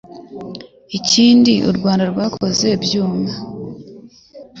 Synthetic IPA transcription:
iciːndiʔṵɾɡwaːndaɾɡwakʰo̞ze̞bjuːma

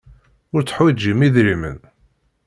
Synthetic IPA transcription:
ʊɾt͡sːə̥ħwid͡ʒimiðɾimə̰n

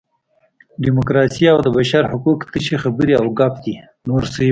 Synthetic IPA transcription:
ɖimokɾɑsiawd̪əbaʃaɾhʊkukt̪əʃixabəɾiawɡɑp̚d̪i | noɾsə

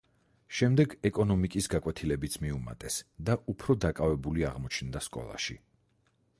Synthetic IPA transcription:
ʃɛmd̪ɛɡɛkʼɔnɔmikʼisɡakʼwɛt̪ʰilɛbit̪sʰmiuma̰t̪ʼɛsd̪aʔupʰɾɔd̪akʼavɛbuliaʁmɔt͡ʃʰnd̪askʼɔ̰lˠa̰ʃi

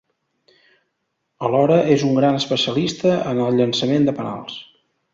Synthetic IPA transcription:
əlɔɾəʔezuŋɡɾanəspəsiəlist̪əənəlˠʎənsəmend̪əpəna̰lˠs

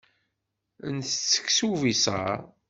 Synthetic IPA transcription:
ənθt͡sːə̥ksuvisɑ̰

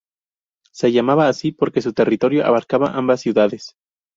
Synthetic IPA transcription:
se̞ʝamaβaːsipo̞ɾke̞s̬ut̪e̞rit̪o̞ɾjo̞ʔa̰βaɾkaβaʔambasːjuðaðe̞s

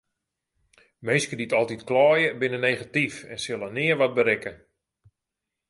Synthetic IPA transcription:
mejskəditɔlˠtitklɔːjəbɪnəneːχatifɛ̰nsɪlˠənɪərʋɔt̚bəɾɪkə

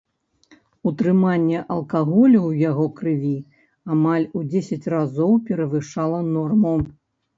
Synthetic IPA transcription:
ut̪ɾɨmanʲːɛʔɐlˠkaɣɔlʲuwjaɣɔkɾɨvʲi | amalʲud͡zʲesʲɐt͡sʲrazɔwpʲɛɾɐvɨʂalˠɐnɔrmu

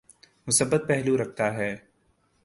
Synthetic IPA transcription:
mʊsəbːət̪̚pɛɦluɾɐk̚ʰt̪aɦɛː

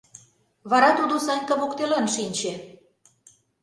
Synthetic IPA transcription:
βɑɾɑt̪ud̪osɑnʲkɑβokt̪elɑnʃinʲt͡ɕĕ

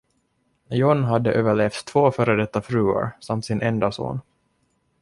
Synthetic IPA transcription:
jɔnɦad̪ːəʔøːvəɭeːft̪t̪ʰːvoːfœɾəd̪ɛt̪ːafɾʉːa̰ɾsamt̪sɪnʔɛnd̪aso̰ːn

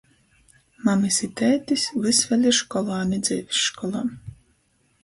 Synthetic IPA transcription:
mamɨsit̪æːt̪ʲisʲvɨsvʲɛlʲiʃkɔlˠaːnʲid̪zɛvʲisʃkɔlˠaː

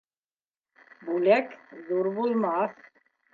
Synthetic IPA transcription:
bulɛkzuɾbulmas

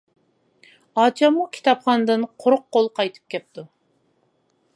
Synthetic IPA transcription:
ɑːt͡ʃʰɑmːukʲʰi̥t̪ʰɑpχɑnd̪ɨnqʰoɾʊqːolˠqʰɑjt̪ʰɨ̥p̚kʲʰɛp̚t̪ʰu

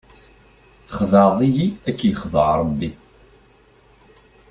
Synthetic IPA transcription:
θə̥χðɑðˤijiækːjəχðˤəʕɾˤəbːi

